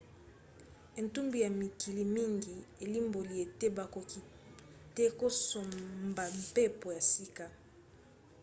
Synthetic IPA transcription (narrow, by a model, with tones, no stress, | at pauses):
e˨ntu˦mbi˨ja˨mi˨ki˨li˨mi˦ŋɡi˨e˨li˦mbo˨li˨e˨te˦ba˨ko˨ki˨ | te˦ko˦so˨mba˨m˨pe˦po˨ja˨si˦ka˦